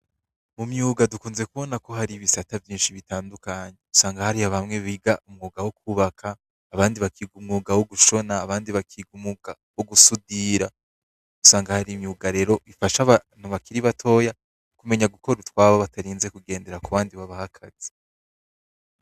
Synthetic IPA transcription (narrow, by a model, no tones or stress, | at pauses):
mumɲuːɡadukuːnze̞kuβo̞nako̞ɦaɾiβisatavjiːnʃiβitaːndukaɲeusaːŋɡahaɾihaβamŋe̞βiɡaʔumŋuːɡawokuβakʰaː | βaːndiβakʰiɡumŋuːɡawoɡuʃo̞naːβaːndiβakʰiɡumuɡa | woɡusudiɾa | usaːŋɡahaɾimɲuːɡaɾe̞ːɾo̞ifaʃaβan̥uβakiɾiβatʰo̞ja | kume̞ɲaɡukʰo̞ɾutwaːβaβatʰaɾiːnze̞kuɡe̞ːnde̞ɾakuβaːndiβaβahakʰaz̥i̥